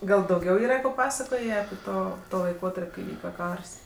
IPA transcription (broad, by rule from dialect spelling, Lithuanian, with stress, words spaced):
ˈɡɐlˠ dɐʊˈɡʲɛʊ ˈiːrɐ koː ˈpɑːpɐsɐkoːjeː ɐpʲɪ ˈtoː ˈtoː lˠɐɪˈkoːtɐrʲpʲ kɐɪ ˈʋʲiːkɐ ˈkɐrs